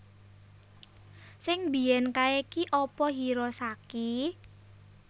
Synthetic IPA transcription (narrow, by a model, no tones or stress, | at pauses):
sɪŋbi̤jɛnkaekiʔɔpɔɦiɾɔsaki